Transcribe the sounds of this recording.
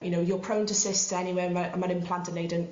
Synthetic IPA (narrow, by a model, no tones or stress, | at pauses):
jənoʊjəpʰɹ̥õʊ̃ntəsɪstʰəɛniweːməʔə̃mə̃ɾɪ̃mpʰl̥ãntəneɪdə̃n